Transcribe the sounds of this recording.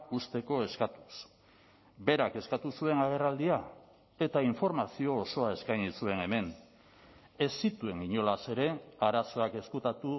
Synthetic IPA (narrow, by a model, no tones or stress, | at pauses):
ust̪e̞ko̞e̞skat̪u̥s | be̞ɾake̞skat̪usue̞naɣ̞e̞rald̪ia | e̞t̪aiɱfo̞ɾmasio̞ːso̞ae̞skajɲisue̞ne̞me̞n | e̞sit̪ue̞ŋɡiɲo̞lase̞ɾe̞aɾaso̞ake̞skut̪at̪u